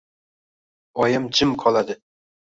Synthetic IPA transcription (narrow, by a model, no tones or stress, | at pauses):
ɒjɪmt͡ʃʰɪmqʰɒlˠad̪ɪ